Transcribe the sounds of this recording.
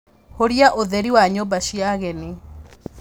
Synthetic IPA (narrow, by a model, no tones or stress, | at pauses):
hoɾiaʔoðɛɾiwaɲombaʃiaɣɛne